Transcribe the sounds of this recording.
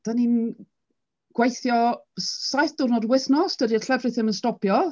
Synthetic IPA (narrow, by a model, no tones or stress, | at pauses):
d̥anin | ɡ̥wejθjɔsajθd̥ʊrnɔdwɪθnɔsd̥ədiəɬʰɛvrɨθɪmənstɔpʰjɔ